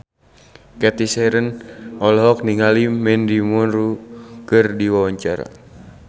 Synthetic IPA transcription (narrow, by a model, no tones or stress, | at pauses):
kɛt̪isɛɾənɔlɦɔk̚niŋalimɛndimunrukɨrdiwawaɲt͡ʃaɾa̰